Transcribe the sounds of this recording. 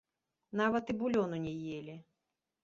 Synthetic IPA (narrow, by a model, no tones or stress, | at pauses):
navɐt̪ibulʲɔnʊnʲɛjelʲi